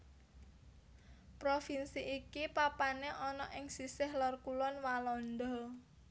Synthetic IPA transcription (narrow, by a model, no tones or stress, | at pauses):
pɾofinsiʔikipapaneʔɔnɔʔɪŋsisɪhlɔrkulɔnwalɔnd̪ɔ